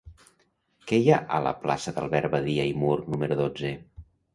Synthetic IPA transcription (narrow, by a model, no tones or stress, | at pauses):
kejaʔələ̰pla̰səðə̰lˠβɛɾβəðiəimurnuməɾuðod͡zə